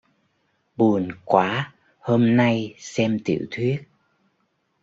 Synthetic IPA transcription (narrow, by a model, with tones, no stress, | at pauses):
ɓu˨˩ənkwaː˨˦ | hoː˧mna˧jsɛ˧mt̪ḭ˧˨wt̪ʰwi˦˥ət̚